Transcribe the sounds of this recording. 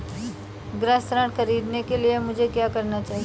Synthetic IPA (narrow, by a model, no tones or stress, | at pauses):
ɡɾə̃st̪ɾãːʈxɐɾiːd̪nekeliemʊd͡ʒʱekjaːkɐɾnat͡ʃaːɦi